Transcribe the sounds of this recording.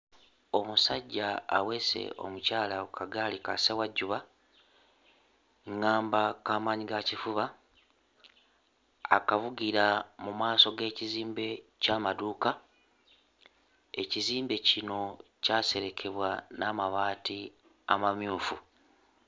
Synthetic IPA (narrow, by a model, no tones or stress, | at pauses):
o̞musaɟːa̰ːwe̞se̞̰o̞̰mucaːlaukʰaɡaːlika̰sewaɟːuβa | ŋːaːmbakaːmaːɲiɡacifuβa | kavuɡiɾamumaːso̞ɡe̞ːciziːmbe̞caːmaduːka | e̞ciziːmbe̞cino̞caːse̞ɾe̞kʰe̞βwanamaβaːti | a̰mamjuːfu